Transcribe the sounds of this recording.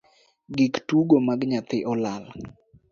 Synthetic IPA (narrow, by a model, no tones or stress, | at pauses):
ɡiktuɡomaɡɲat̪ɪʔɔlal